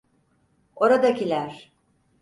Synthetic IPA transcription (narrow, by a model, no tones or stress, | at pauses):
o̞ɾad̪acilʲæɾ̥